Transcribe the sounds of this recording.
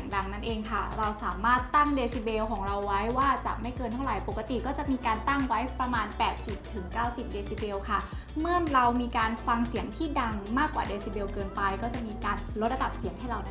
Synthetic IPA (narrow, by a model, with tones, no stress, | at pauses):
ŋda˧ŋna˦˥˩nʔeː˧ŋkʰa˥˩ɾa˧wsaː˩˦maː˥˩t̪ːa˥˩ŋdeː˧si˧˥beː˧wkʰɔː˩˦ŋɾa˧wːa˦˥jwaː˥˩t͡ɕa̰˨˩ma˥˩jkɤː˧nt̪ʰa˥˩wɾa˨˩˦jpo˨˩kːa˧t̪i˨˩kɔː˥˩t͡ɕa˨˩ʔmiː˧kaː˧nt̪a˥˩ŋwa˦˥jpɾa˧maː˧npɛː˨˩t̪̚si˨˩p̚t̪ʰɯ˩˦ŋkaː˥˩wsi˨˩p̚deː˧siː˧˩beː˧wkʰa˥˩ | mɯ˥˩əŋɾa˧wmiː˧kaː˧nfa˧ŋsi˨˩˦əŋt̪ʰiː˥˩da˧ŋmaː˥˩kːwa̰ː˨˩deː˧siː˧˩beː˧wkɤː˧npa˧jkɔː˥˩t͡ɕa˨˩ʔmiː˧kaː˧nlo˦˥t̪̚ɾa˧da˨˩p̚si˨˩˦əŋt̪ʰɛ˥˩ɾa˧w